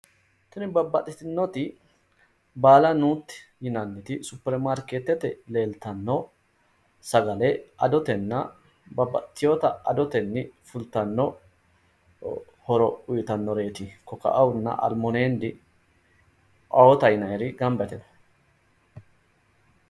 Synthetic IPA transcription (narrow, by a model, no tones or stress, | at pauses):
t̪ʊnɪbɐbːɐt̪ʼɪt̪ɪnːɔt̪ɪ | baːlɐnuːt̪ːɪ̥jɪnɐnːɪt̪ɪsʊpːɛɾmaɾkeːt̪ːɛt̪ɛle̞ːlt̪ɐnːɔ | sɐɡɐlɛɐd̪ɔt̪ɛnːɐ | bɐbɐ̰t̪ːɪjoːt̪ɐɐd̪ɔt̪ɛnːɪfʊlt̪ːɐnːɔ | hɔɾɔʊjɪt̪ɐnːɔɾe̞ːt̪ɪkɔkɐ̰ʔɐwnːɐ̰ʔɐ̰lmɔneːnd̪ɪ | ʔɐwɔt̪ɐjɪnɐjɾɪɡɐmbɛt̪ɛnɔ